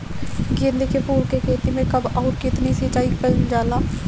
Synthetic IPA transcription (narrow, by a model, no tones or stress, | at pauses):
ɡɪɾd̪ekepuːɾkekʰeːt̪imẽkəbɔːɾkɪt̪nisit͡ʃaːipəlnd͡ʒaːlaː